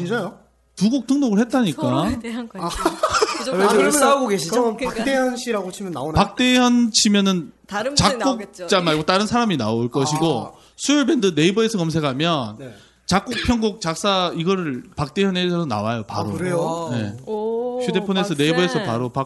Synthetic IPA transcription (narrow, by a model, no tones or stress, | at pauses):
t͡ɕind͡ʑajo | tuɡok̚tʰɯŋnoɡɯɭhe̞t̚t͈aɲik͈a | eaɡoɡeɕʰiak̚t͈ejʌnɕʰiɾaɡot͡ɕʰimjʌnːaonpak̚t͈e̞jʌnt͡ɕʰimjʌnɯn | t͡ɕak͈okt͡ɕt͡ɕ͈amaɭɡot͈aɾɯnsʰaɾamina̰oɭk͈ʌɕʰiɡo | sʰujʌɭbe̞ndɯne̞ibʌesʰʌkʌmsʰe̞kʰamjʌn | t͡ɕak̚k͈ok̚pʰjʌŋɡok̚t͡ɕak̚s͈aiɡʌɾɯɭpak̚t͈e̞jʌnesʰʌsʰʌna̰wajopa̰ɾɾo̰ɯɾejone̞̰ | ɕʰude̞pʰone̞sʰʌne̞iʌe̞sʰʌpaɾopa